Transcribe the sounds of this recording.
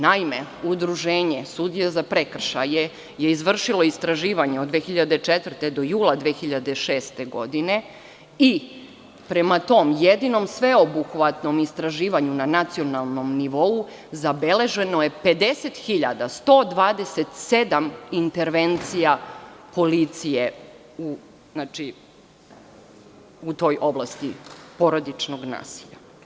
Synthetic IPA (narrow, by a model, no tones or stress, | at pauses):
naimeud̪ɾuʒeːɲesud̪jezapɾe̞kr̩ʃaje | je̞izʋr̩ʃilˠo̞ist̪ɾaʒiːʋaɲeod̪d̪ʋeːxiʎad̪et͡ʂet̪vr̩t̪e̞d̪o̞juːlˠad̪ʋeːxiʎad̪e̞ʃe̞ːst̪e̞ɡo̞̰d̪ine̞ | i | pɾemat̪o̞mjed̪ino̞msʋe̞obuxʋat̪no̞mist̪ɾaʒiːʋaɲunanat̪sio̞nalˠno̞mniʋo̞u | zabe̞le̞ʒe̞noje̞pe̞d̪e̞set̪xiʎa̰d̪ast̪o̞ːd̪ʋaːd̪eset̪se̞d̪amint̪eɾʋe̞nt̪sijapo̞lit̪sije̞ | u | znaːt͡ʃi | ut̪o̞ːjʔo̞blˠast̪ipo̞ɾod̪it͡ʃnoɡna̰ːsiʎa̰